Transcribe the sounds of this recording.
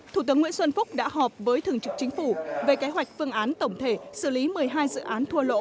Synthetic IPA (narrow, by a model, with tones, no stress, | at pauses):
t̪ʰu˧˩t̪ɨ˨˦ŋw̰i˧˥nswə˧nfʊ˦˥k͡p̚ɗa̰ː˧˥ɦɔ˨˩p̚vəː˨˦jt̪ʰɨ˨˩əŋt͡ɕɨ˨˩k̚t͡ɕŋ̟fu˧˩ve˨˩ke˨˦ɦwa˨˩jk̟̚fɨ˧əŋʔaː˨˦nt̪ə˧˩wŋ͡mt̪ʰe˧˩sɨ˧˩li˨˦mɨ˨˩əjɦaː˧jzɨ̰˧˨ʔaː˨˦nt̪ʰu˧əlo̰˧˥